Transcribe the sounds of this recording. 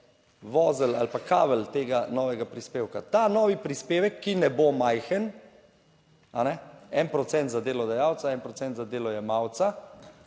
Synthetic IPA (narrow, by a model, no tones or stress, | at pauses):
ʋɔːzəla̰lpakaːʋəlt̪eːɡanɔːʋɛɡapɾispeːwkat̪anɔːʋipɾispeːʋəkːinɛbomajxən | anɛɛnpɾɔt̪sɛnt̪zad̪eːlɔd̪ajaːwt̪saɛnpɾɔt̪sɛnt̪zad̪eːlɔjɛmawt̪sa